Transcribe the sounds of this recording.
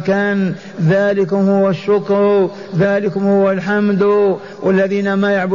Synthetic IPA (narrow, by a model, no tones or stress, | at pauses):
kaːn | ðaːlɪkʊmhʊwaʃːʊkɾ | ðaːlɪkʊmhʊwalħamd̪ | wʔalːaðiːnamajaʕbʊ